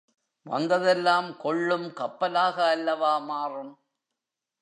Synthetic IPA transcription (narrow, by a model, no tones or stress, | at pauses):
ʋɐ̰nd̪ɐðɛlːaːmkɔɭːɯmkɐpːɐlaːɣɐːlːɐʋaːmaːrɯm